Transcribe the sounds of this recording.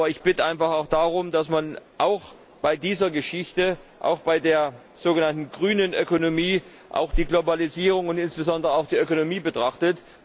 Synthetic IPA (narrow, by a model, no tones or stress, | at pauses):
ɐɪçb̥ɪtəʔaɪnfaχaʊxd̥aːʁʊmdasmanʔaʊx | b̥aɪdiːzɐɡəʃɪçtəʔa̰ʊxb̥aɪdeːɐ | z̥oːɡənantn̩ɡʁyːnənʔøkonomiː | ʔa̰ʊxd̥iːɡlobaliziːʁ̞ʊŋʊntʔɪnsb̥əzɔndəʁəaʊxd̥iːʔøkonomiːbətʁ̥aχtət